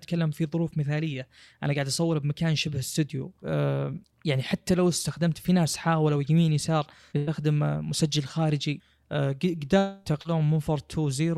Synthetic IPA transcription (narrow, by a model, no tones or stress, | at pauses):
t̪kalːamfiðˤʊɾuːfmɪθaːlɪjːaʔanaɡaʕd̪ʔɑsˤɑwːɪɾbmakaːnʃɪbhɪst̪ʊd̪jṵ | jaʕniħat̪ːalawst̪axd̪amt̪finaːsħaːwlawjamiːnjsɑːɾˤ | bɪaxd̪ɪmmʊsad͡ʒːalxaːɾɪd͡ʒi | ɡd̪aːt̪aqlaʊmːɪnfɑɾˤt̪ʰuziːɾ